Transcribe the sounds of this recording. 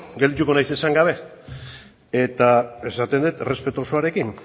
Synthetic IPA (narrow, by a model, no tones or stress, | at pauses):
ɡeld̪it̪̬uko̞najse̞saŋɡaβ̞e̞ | e̞t̪ae̞sat̪e̞nd̪uet̪re̞spe̞t̪o̞soaɾe̞kin